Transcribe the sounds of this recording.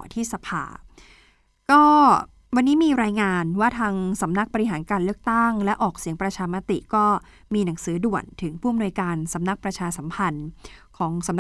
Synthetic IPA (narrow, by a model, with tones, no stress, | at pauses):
t̪ʰiː˥˩sa˧pʰa̰ː˧ | kɔː˥˩ | wa˧nːiː˦˥miː˧ɾaː˧jŋaː˧nwaː˥˩t̪ʰaː˧ŋsa˩˦mna˦˥k̚bɔ˧ɾi˦˥ɦaː˩˦nkaː˧nlɯ˥˩ək̚t̪a˥˩ŋlɛ˦˥ʔɔː˨˩k̚si˩˦əŋpɾa˧t͡ɕʰaː˧ma˦˥t̪i˨˩kɔː˥˩ | miː˧na˩˦ŋsɯː˩˦du˨˩ənt̪ʰɯ˩˦ŋpʰuː˥˩a˨mnu˧jkaː˧nsa˩˦mna˦˥k̚pɾa˧t͡ɕʰaː˧sa˩˦mpʰa˧nkʰɔː˩˦ŋsa˩˦m